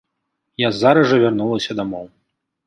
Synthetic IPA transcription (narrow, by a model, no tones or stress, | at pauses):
jazːaɾɐʐɐvʲarnulˠɐsʲɐd̪amɔw